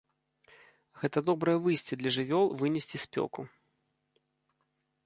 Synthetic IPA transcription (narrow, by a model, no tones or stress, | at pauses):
ɣɛt̪ɐd̪ɔbɾɐjɐvɨjsʲt͡sʲɛd̪lʲɐʐɨvʲɔlˠvɨnʲɛsʲt͡sʲispʲɔ̰ku